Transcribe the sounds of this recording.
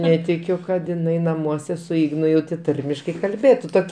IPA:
ˈnʲæːtʲɪkʲʊ kɐt ɪˈnɐɪ nɐˈmuɔsʲɛ sʊ ˈɪɡnʊ jɛʊ tʲeː ˈtɐrʲmʲɪʃkɐɪ kɐlʲˈbʲeːtʊ ˈtoːkʲ

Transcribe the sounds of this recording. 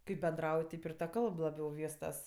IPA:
kɐɪp bʲɛnˈdrɐʊj ˈtʲɛɪp ɪr tɐ ˈkɐlˠp lˠɐˈbʲɛʊ ˈʋʲiːstɐs

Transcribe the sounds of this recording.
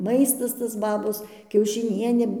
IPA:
ˈmɐɪstɐs tɐs ˈbɑːboːs kʲɛʊʃʲɪˈnʲiɛnʲeː

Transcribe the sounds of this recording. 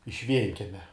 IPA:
ɪʃ ˈʋʲiɛŋʲkʲɛmʲɛ

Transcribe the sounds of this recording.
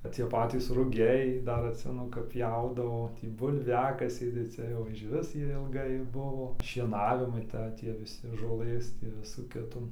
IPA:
t͡sʲiɛ ˈpɑːtʲiːs rʊˈɡʲɛɪ ˈdɐr ɐtʲˈsʲɪmʲɛnʊ kɐp ˈpʲjɛʊdɐʋoː ˈtʲiː bʊlʲˈʋʲæːkɐsʲɛɪ tɐɪ ˈt͡sʲɛ jɛʊ ɪʃ ˈʋʲɪs ˈjiɛ ɪlˠˈɡɐɪ ˈbʊʋoː ʃʲiɛˈnɑːʋʲɪmɐɪ ˈtɐ ˈtʲiɛ ʋʲɪˈsʲɪ ʒoːˈlˠɘs tʲiː ˈʋʲɪsuː kʲɪˈtuː

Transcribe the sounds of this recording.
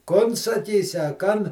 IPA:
ˈkoːn sɐˈkʲiːsʲɪ ɐ ˈkɐn

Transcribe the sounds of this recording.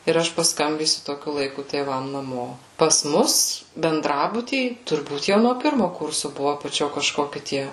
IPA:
ɪr ˈɐʃ pɐsˈkɐmʲbʲiːsʲʊ toːˈkʲʊ lˠɐɪˈkʊ tʲeːˈʋɐm nɐˈmoː pɐs ˈmʊs bʲɛnˈdrɑːbʊtʲiː tʊrˈbuːt jɛʊ noː ˈpʲɪrmʊ ˈkʊrsʊ ˈbʊʋoː ɐpɐˈt͡ʃʲoː kɐʃˈkoːkʲɪ ˈtʲiɛ

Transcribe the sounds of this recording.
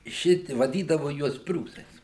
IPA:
ˈʃʲɪtʲɪ ʋɐˈdʲiːdɐʋoː ˈjuɔs ˈpʲrʲuːsɐɪs

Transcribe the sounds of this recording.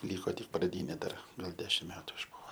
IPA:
ˈlʲiːkoː tʲɪk prɐˈdʲiːnʲeː ˈdɐr ɡɐlˠ ˈdʲæːʃʲɪm ˈmʲæːtʊ ɪʒˈbʊʋoː

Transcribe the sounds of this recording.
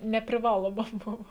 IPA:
nʲɛpʲrʲɪˈʋɑːlˠoːmɐ ˈbʊʋoː

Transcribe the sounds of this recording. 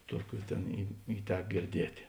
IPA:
ˈtuɔˌkʲuː ˈtʲeːn ɪ ɪ ˈtʲɛk ɡʲɪrʲˈdʲiɛtʲeː

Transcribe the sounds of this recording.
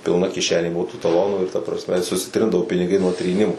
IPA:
pʲɪlˠˈnɐ kʲɪˈʃʲæːnʲeː ˈbʊʋoː tuː tɐˈlˠoːnuː ɪr tɐ prɐsʲˈmʲɛ sʊsʲɪˈtʲrʲɪndɐʋoː pʲɪnʲɪˈɡɐɪ nuɔ tʲrʲiːˈnʲɪmʊ

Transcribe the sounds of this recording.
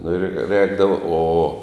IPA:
nʊ ɪr ˈrʲɛːɡdɐʋoː oː

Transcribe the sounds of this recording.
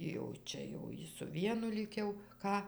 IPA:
jɛʊ ˈt͡ʃʲɛ jɛʊ ˈjɪ sʊ ˈʋʲiɛnʊ ˈlʲiːk jɛʊ ˈkɑː

